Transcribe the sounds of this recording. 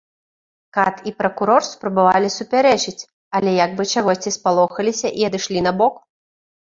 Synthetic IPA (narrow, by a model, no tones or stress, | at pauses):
kat̪ipɾɐkuɾɔrspɾɐbavalʲisupʲaɾɛt͡ʂɨt͡sʲ | ɐlʲɛjɐɡbɨt͡ʂaɣɔsʲt͡sʲispalˠɔxɐlʲisʲɐʔiɐd̪ɨʂlʲinɐbɔk